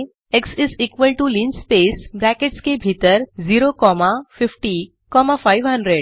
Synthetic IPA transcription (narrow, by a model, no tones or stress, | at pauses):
eksizikʋəlʈulinːpesbɾɛkeʈskebʱit̪əɾziɾokɔmafɪfʈi | kɔmafajʋɦɐ̃ɳɖɾeɖ